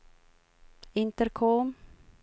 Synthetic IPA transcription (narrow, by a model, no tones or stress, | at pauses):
ɪnt̪əɾkʰoːm